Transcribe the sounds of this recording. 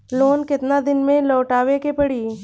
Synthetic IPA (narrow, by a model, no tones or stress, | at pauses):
loːnkɪt̪nad̪ɪnmẽlɔːʈaːʋekepɐɽiː